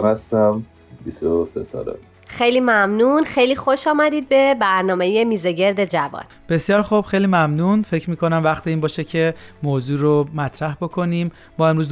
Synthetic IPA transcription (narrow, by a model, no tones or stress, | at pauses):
nhæst̪æm | bist̪osḛsɒ̰ːlḛ | xejliːmæmnunxejliːxoʃɒːmæd̪iːd̪̚be̞bæɾnɒːme̞jemiːzeɟe̞ɾd̪e̞d͡ʒævɒ̰n | b̥e̞sjɒːɾxub̥xe̞jliːmæmnunfe̞cɾmiːkʰo̞næmvæxt̪ʰiiːnbɒːʃecʰe̞moːzuːɾomæt̪ʰɾæhbokʰo̞niːmːɒːe̞mɾuz